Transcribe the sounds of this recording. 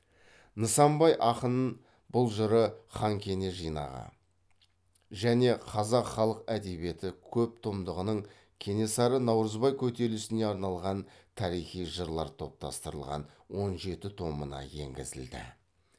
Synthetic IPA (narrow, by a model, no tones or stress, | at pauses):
nəsɑmbɑjʔɑqənən | b̥ʊlˠʒəɾəχɑŋkʲʰe̞ne̞ʒijnɑ̰ʁə̰ | ʒæne̞qʰɑzɑqχɑlˠəqæd̪e̞βbije̞t̪ɪkʲʰɵp̚t̪ʰomd̪əʁənəɴ | kʲʰe̞ne̞sɑɾənɑwɾəzbɑjkʲʰɵt̪e̞lɪsɪne̞ɑɾnɑlˠʁɑnt̪ʰɑɾijχijʒəɾlˠɑɾt̪ʰo̞p̚t̪ɑst̪əɾəlˠʁɑ̰n | wo̞nʒe̞t̪ɪt̪ʰo̞mənɑ̰je̞̰ŋɡʲɪ̰zɪ̰ld̪ɪ̰